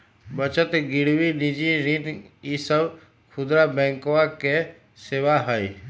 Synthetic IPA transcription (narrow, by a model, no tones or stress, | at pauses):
bət͡ʃət̪ɡɪɽʋinɪd͡ʒiɾɪnisəb | kʰʊd̪ɾabɛ̃ːŋkʋake | seːʋaɦəi